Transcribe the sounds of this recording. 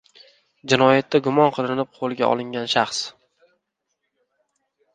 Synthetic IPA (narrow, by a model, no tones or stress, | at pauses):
d͡ʒɪnɒjat̪ʰːaɡʊmɒnqʰɨlˠɪnɪp̚qʰolˠɡʲaʔɒ̰lˠɪŋɡʲanʃaχs